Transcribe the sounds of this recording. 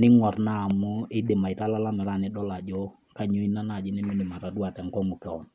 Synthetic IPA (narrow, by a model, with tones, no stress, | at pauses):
nɪ˦ŋwɔ˨rnaː˦˨mu˦ɪ˦dɪ˨ma˨ɪ˨ta˦la˦la˦mɛ˨ɾa˦˨nɪ˦dɔ˦la˨d͡ʒɔ˦ | ka˦ɲo˦i˦na˦na˦˨d͡ʒɪ˦nɪ˦mɪ˦dɪ˨ma˨ta˨du˦a˨tɛ˨ŋkɔ˦ŋu˨kɛ˨ɔ˨n